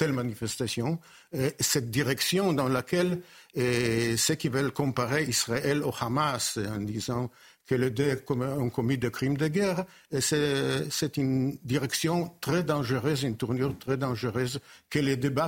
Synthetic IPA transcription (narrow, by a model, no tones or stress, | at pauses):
t̪ɛlmanifɛst̪asjɔ̃ | esɛt̪̚d̪iʁɛksjɔ̃d̪ɑ̃lakɛl | səkivœlkɔ̃mpaʁeisʁaɛloχamasɑ̃d̪izɑ̃ | kəled̪økɔmɔ̃kɔmid̪əkʁimd̪əɡɛʁ | sɛsɛt̪ynd̪iʁɛksjɔ̃t̪ʁɛd̪ɑ̃ʒəʁøzynt̪uʁnyʁt̪ʁɛd̪ɑ̃ʒəʁøzkəled̪eba